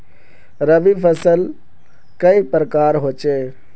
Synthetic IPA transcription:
ɾəʋipʰəsəl | kəipɾəkaːɾɦoːt͡ʃeː

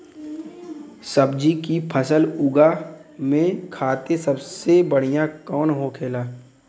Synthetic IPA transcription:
səbd͡ʒikipʰəsəlʊɡamẽkʰaːt̪esəbsebəɽ̤ijãkɔːnɦokʰeːlaː

